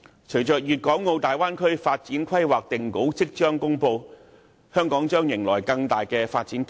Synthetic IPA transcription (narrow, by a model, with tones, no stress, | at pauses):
t͡ʃʰɵ˨˩jt͡ʃœː˨˩k̚jyː˨t̚kɔː˨˥ŋːo˧wt̪aː˨jwaː˥nkʰɵ˥ɥfaː˧t̚t͡siː˨˥nkʰɐ˥jwaː˨k̚t̪ɪ˨ŋko˨˥wt͡sɪ˥k̚t͡ʃœː˥ŋkʊ˥ŋpo˧w | hœː˥ŋkɔː˨˥ŋt͡ʃœː˥ŋjɪ˨˩ŋlɔː˨˩jkɐ˧ŋt̪aː˨jkɛː˧faː˧t̚t͡siː˨˥n